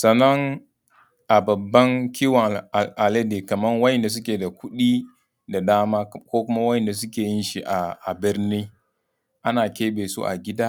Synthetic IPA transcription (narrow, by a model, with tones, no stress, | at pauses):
sa˨na˦ŋ | ʔa˨ba˨bːa˦ŋkʲʰi˦wa˨a˨le˦de˨ka˨ma˦nwa˦ji˦˨nda˨s̬u˦kʲe˨da˨ku˦ɗi˦ | da˨daː˦ma˦ko˦ku˦ma˦wa˦ji˨nda˨s̬u˦kʲe˨ji˦nʃi˨ʔa˨a˨bi˦ɾni˦ | ʔa˦na˨kʲe˦be˨sṵ˦ʔa̰˨ɡʲi˦da˦